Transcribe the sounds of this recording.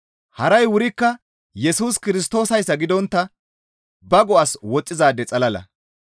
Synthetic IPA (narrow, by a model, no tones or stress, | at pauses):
hɐɾɐjwʊɾɪkːɐ | jɛsuːskɪɾɪst̪o̞ːsɐjsːɐɡɪd̪ɔnt̪ːɐ | bɐɡɔʔɐswɔt͡sʼːɪzaːd̪ːɛt͡sʼɐlɐlɐ̰